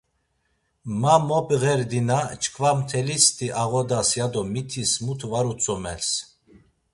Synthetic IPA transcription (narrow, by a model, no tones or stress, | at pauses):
mamɔpʼɣɛɾd̪inat͡ʃʰʼkʰvamt̪ʰɛlist̪ʰiʔaɣɔd̪asjad̪ɔmit̪ʰismut̪ʰvaɾut͡sʰʼɔmɛ̰ls